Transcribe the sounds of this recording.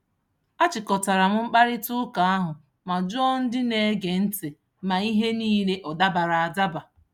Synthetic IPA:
a˦t͡ʃɪ˨kɔ˨ta˨ɾa˨m̩˦ŋ͡m̩˦k͡pa˦ɾɪ˦tʊ˦ka˨a˦ɦʊ˨ | ma˨d͡ʒɔ˦n̩˦dɪ˦ne˨˦ɡe˨n̩˦tɪ˨ | ma˨i˦ɦe˦niː˦le˦ʔɔ˨da˦ba˨ɾa˨a˨da˦ba˨

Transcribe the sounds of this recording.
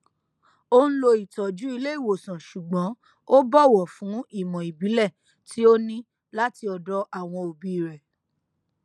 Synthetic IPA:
o˧ñ̩˦lo˧i˨tɔ˨d͡ʒu˨˦i˧le˦i˦˨wo˨sã˨ʃu˨ɡ͡bɔ̃˨˦ | o˦bɔ˦˨wɔ˨fũ˨˦i˦˨mɔ̃˨i˨bi˨˦lɛ˦˨ | tʰi˦o˦nĩ˦ | la˦ti˧ɔ˨dɔ˦ʔa˦˨w̃ɔ̃˧o˧bi˦˨ɾɛ˨

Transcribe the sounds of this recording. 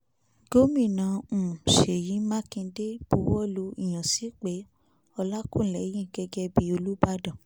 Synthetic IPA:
ɡo˦mĩ˦˨nã˨˧˦ũ˨ʃe˨jĩ˨˦mã˦kĩ˧˦de˦b̥u˧wɔ˦lo˧i˨j̃ã˨si˨˦k͡pe˨˦ | ɔ˧la˦kũ˦˨lɛ˨˦jĩ˦˨ɡɛ˧ɡɛ˧bi˧˦o˧lu˦ba˦dã˦˨

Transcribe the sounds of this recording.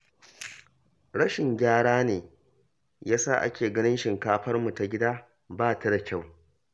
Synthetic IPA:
ɽɐ˦ʃɪ˨ŋɡʲaː˦ɽaː˦neː˨ | jaː˦sa̰ː˦˨ʔa̰˦kʲeː˨ɡɐ˦nɪ˦nʃɪ˨ŋkaː˦ɸɐ˦rmu˨ta˨ɡʲɪ˦daː˦ | baː˦tɐ˦da˨kʲa˦˨w

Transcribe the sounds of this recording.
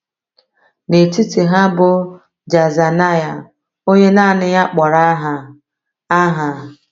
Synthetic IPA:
ne˨ti˦ti˨ɦa˦bʊ˦ | d͡ʒa˨za˨na˦ja˨ | o˦ɲe˦na˦˨nɪ˦ja˦k͡pɔ˨ɾa˦ɦa˨ | a˦ɦa˨

